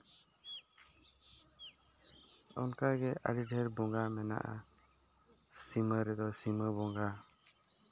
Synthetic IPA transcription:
ɔnkaɡɛʔa̰ɖiɖʱɛɾbɔŋɡamɛna̰ʔa̰ | siməɾɛd̪ɔsiməbɔŋɡa

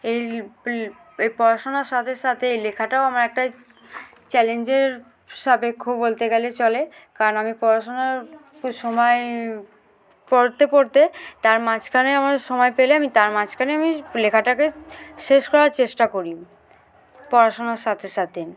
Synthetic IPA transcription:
ej | epɔɾaʃonaɾʃat̪ʰeʃat̪ʰeejlekʰaʈaoamaɾɛk̚ʈa | t͡ɕɛlend͡ʑeɾ | ʃabekʰːobolt̪eɡelet͡ɕɔlekaɾonamipɔɾaʃonaɾ | ʃɔmɔe | poɾt̪epoɾt̪et̪aɾmad͡ʑkʰaneamaɾʃɔmɔepeleamit̪aɾmad͡ʑkʰaneamilekʰaʈakeʃeʃkɔɾaɾt͡ɕeʃʈakoɾi | pɔɾaʃonaɾʃat̪ʰeʃat̪ʰe

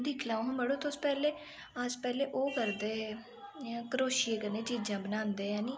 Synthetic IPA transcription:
d̪iːkʰlaːõməɽoːt̪ospɛːleː | əspɛːleːʔoːkəɾd̪ẽː | kəɾoːʃieːkəɾneːt͡ʃiːd͡ʒãːbənãːnd̪eːãːniː

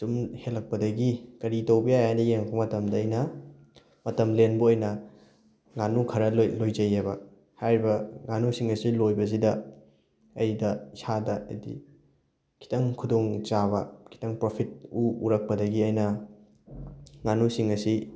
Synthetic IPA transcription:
tumhelːɐk̚pɐdɐɡikɐɾitɐwbijajajnɐjeŋpʰɐmɐtɐmdɐːjnɐ | mɐtɐmlenbuɐjnɐ | ŋanukʰɐɾɐllojzɐjebɐ̰ | hajɾibɐŋanusiŋɐsilojbɐs̬idɐː | jdɐsadɐɐ̰dḭ | kʰi̥tɐŋkʰudoŋt͡ʃaβɐkʰi̥tɐŋpɾopʰit̚uuɾɐk̚pɐdɐɡiɐjnɐ | ŋanusiŋɐsi

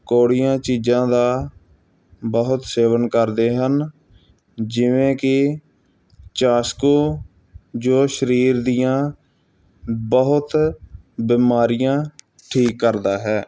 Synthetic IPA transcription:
koːɽɪjãːt͡ʃiːd͡ʒãːd̪aː | bəɦʊt̪seːʋənkəɾd̪eːɦən | d͡ʒɪʋẽːkɪ | t͡ʃaːskoː | d͡ʒoːʃəɾiːɾd̪ijãː | bəɦʊt̪ | biːmaːɾɪjãː | ʈʰiːkːəɾd̪aːɦɛː

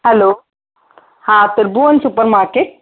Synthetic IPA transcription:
hɛloː | hãːt̪əɾbuɐnsupəɾmaːɾkeʈ̚

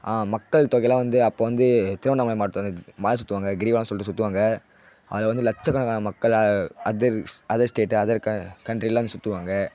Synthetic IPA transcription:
aːmɐkːɐɭt̪oːkɪlãːʋɐnd̪ɯɐpːoːʋɐnd̪ɯt̪ɪɾɯʋɐɳɐmaːjmaːɽɯt̪ːɐnd̪maːlɐ̃sʊt̪ːɯʋaːŋɡɐɡɾiːʋɐlãːsɔlːɪʈːɯsʊt̪ːɯʋaːŋɡɐ | ɐ̰ʋɐlɐʋɐnd̪ɯlɐt͡ʃːɐkːɐɳɐkaːnɐmɐkːɐɭɐɐðɐɾɐðɐsʈeːʈːɐðɐɾkɐkɐɳɖɾilãːɐnd̪sʊt̪ːɯʋaːŋɡɐ

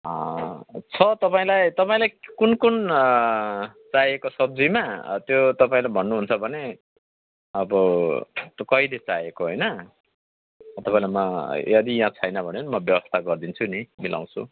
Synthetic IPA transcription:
ʌt͡sʰʌt̪ʌpaĩlajt̪ʌpaĩlajkunkun | t͡sajekosʌb̚d͡zimat̪jot̪ʌpaĩlajbʱʌnːuɦunt͡sʰʌbʱʌne | ʌbʌt̪kʌilet͡sajekoɦojnʌ | t̪ʌpãĩlajmʌjʌd̪ijãt͡sʰʌjnʌbʱʌnenimʌbjʌbʌst̪ʰaɡʌrd̪int͡sʰunimilʔa̰w̃t͡sʰṵ

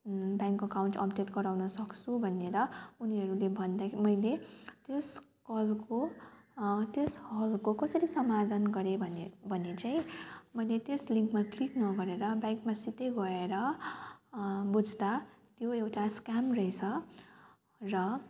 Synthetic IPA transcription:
baŋkʌkawɳʈʌ̰pdeʈɡʌɾawnʌsʌkt͡sʰubʱʌneɾʌuniɦʌɾulebʱʌnd̪akʰimʌjlet̪es | kʌlko | t̪eshʌlkokʌsʌɾisʌmad̪ʱʌnɡʌɾebʱʌnbʱʌnet͡saĩmʌjlet̪esliŋkmakliknʌɡʌɾeɾʌbajŋkmasit̪eɡʌeɾʌ | bud͡zʱd̪at̪joewʈaskamrʌit͡sʰʌ | rʌ

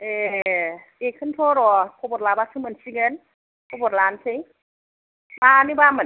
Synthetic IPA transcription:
e | ekʰəntʰoɾɔkʰobɔɾlabasʰɯmənsiɡən | kobɔɾlantʰej | manibamə

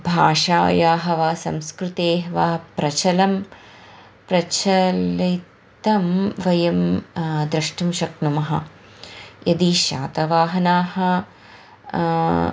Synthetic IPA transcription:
bʱaːʂaːjaːɦɐʋaːsɐmskɾut̪eːɦʋaːpɾɐt͡ʃʰɐlɐm | pɾɐt͡ʃɐli | t̪ɐmʋɐjɐmd̪ɾɐʂʈɐmʃɐknumɐɦɐ̰ | jɐd̪iʃa̰ːt̪ɐʋaːɦɐnaːhɐ̆

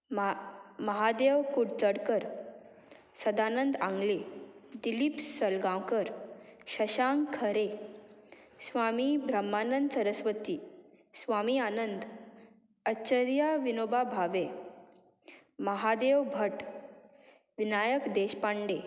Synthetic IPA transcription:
məɦad̪eʋkuɽt͡səɽkəɾ | səd̪anənd̪ãŋɡled̪ilipsəlɡãwkəɾɕəɕaŋkʰəɾe | sʋamibʱɾəmːanənd̪səɾəsʋət̪iː | sʋamianənd̪ | əɕəɾjaʋinobabʱaʋe | məɦad̪eʋbʱəʈ | ʋinajəkd̪eɕpaɳɖe

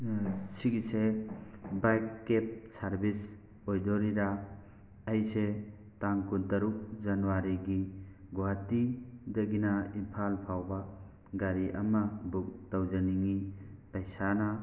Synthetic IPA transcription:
siɡise | bajkːep̚saɾbis | ojdɔɾiɾa | ajse | taŋkʰudɐɾuk̚zɐnuwaɾiɡiɡoatidɐɡinainpʰalpʰawba | ɡaɾiʔɐ̰mabuk̚tawzaniŋipɐjsana

